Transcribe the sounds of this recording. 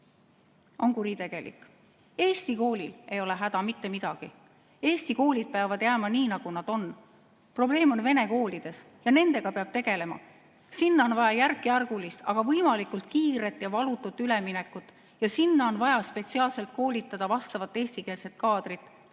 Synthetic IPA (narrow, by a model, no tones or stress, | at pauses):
o̞nkuɾit̪e̞ɡ̥e̞lʔḭkːˑ | e̞ːst̪iko̞ːlile̞jo̞le̞ɦæd̪̥ɑmit̪ːe̞mid̪̥ɑɡ̥i | e̞ːst̪iko̞ːlid̪̥̚peɑvɑd̪̥jæːmɑniːnɑɡ̥unɑd̪̥o̞nː | pro̞b̥le̞ːmo̞nve̞ne̞ko̞ːlid̪̥e̞s | jɑne̞nd̪e̞ɡ̥ɑpeɑb̥t̪e̞ɡ̥e̞le̞mɑ̰ | sinːɑonvɑjɑjærkːˑiærɡ̥ulist̪ɑ̰ɡ̥ɑvɤjmɑlikːˑult̪kiːɾe̞t̪ːˑjɑvɑlut̪ːˑut̪ːˑyle̞mine̞kːˑut̪ːˑ | jɑsinːɑo̞nvɑjɑspe̞t̪siɑːlse̞lt̪̚ko̞ːlit̪ːˑɑd̪̥ɑvɑst̪ɑvɑt̪ːˑe̞ːst̪ike̞ːlse̞t̪̚kɑːd̪̥rit̪ːˑ